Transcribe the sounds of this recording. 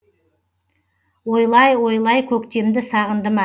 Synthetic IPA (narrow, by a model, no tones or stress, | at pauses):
wo̞jlˠɑjwo̞jlˠɑjkʲʰɵkt̪e̞md̪ɪsɑʁənd̪əmɑ